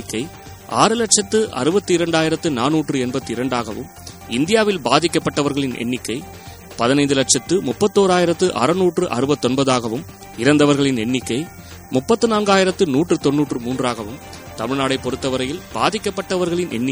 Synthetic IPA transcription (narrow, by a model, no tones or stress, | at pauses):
kːɐɪ | ʔa̰ːɾɯlɐʈ̚t͡ʃɐt̪ːɯʔɐ̰ɾɯbɐt̪ːɯɪɾɐɳɖaːjɪɾɐt̪ːɯnaːnːuːʈrɯɛnbɐt̪ːɯɪɾɐɳɖaːɣɐʋɯ̰m | ɪnd̪ɪjaːʋɪlbaːðɪkːɐpːɐʈːɐʋɐɾɣɐɭɪnʔɛ̰nːɪkːɐɪ | pɐðɪnɐɪnd̪ɯlɐʈ̚ʂɐt̪ːɯmʊpːɐt̪ːoːɾaːjɪɾɐt̪ːɯʔɐ̰ɾɐnuːʈrɯʔɐ̰ɾɯbɐt̪ːɔnbɐðaːɣɐʋɯm | ɪɾɐnd̪ɐʋɐɾɣɐɭɪnɛɳːɪkːɐɪ | mʊpːɐt̪ːɯnaːnɡaːjɪɾɐt̪ːɯnuːʈːrɯt̪ɔnːuːʈrɯmuːndraːɣɐʋɯmt̪ɐmɪɻnaːɽɐɪpːɔɾɯt̪ːɐʋɐɾɐjɪlba̰ːðɪkːɐpːɐʈːɐʋɐɾɣɐɭɪnʔɛ̰nːɪ